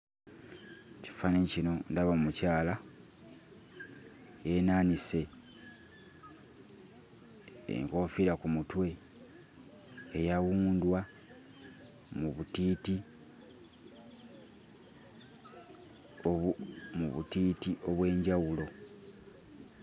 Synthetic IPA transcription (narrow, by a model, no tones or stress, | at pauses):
ci̥fanecino̞ndaβamucaːla | jenaːnise̞ | ḛŋko̞fiɾakumutwe̞ | ejawuːndwa | muβutiti | muβṵtiːtiʔo̞βwe̞ːɲɟawulo̞